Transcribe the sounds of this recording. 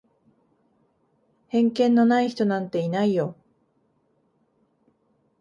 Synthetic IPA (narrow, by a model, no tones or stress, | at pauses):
hẽ̞ŋkẽ̞nːo̞naiçi̥t̪o̞nãnt̪e̞inaijo̞